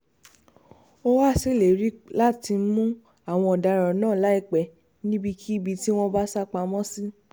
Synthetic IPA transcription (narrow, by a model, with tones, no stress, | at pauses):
o˦wa˦˨si˦˨le˨ɾi˨˦la˦ti˧˦mũ˦ | a˦˨w̃ɔ̃˧ɔ˨da˧ɾã˨nãː˦˨la˨˦i˧k͡pɛ˨˧ | nĩ˦bi˧kʰi˦i˦˨bi˧ti˦w̃ɔ̃˦ba˦sa˦k͡pa˧mɔ̃˦si˦